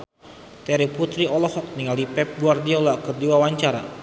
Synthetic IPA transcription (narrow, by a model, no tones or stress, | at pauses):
t̪ɛɾiput̪ɾiɔlɔhɔk̚niŋalipɛp̚ɡuardiɔlakərdiwawaɲt͡ʃaɾa̰